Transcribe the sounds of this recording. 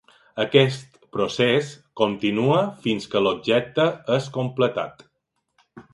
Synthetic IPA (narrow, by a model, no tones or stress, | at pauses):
əkɛst̪ | pɾoseskont̪inuəfinskəlob̚ʒɛk̚t̪əəskomplət̪a̰t̪